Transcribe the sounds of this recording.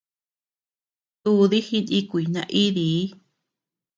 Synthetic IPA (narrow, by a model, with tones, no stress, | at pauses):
t̪u˦˧ði˦hi˧nĩ˦kʷi˨nã̰˧ʔi˦ði˨˦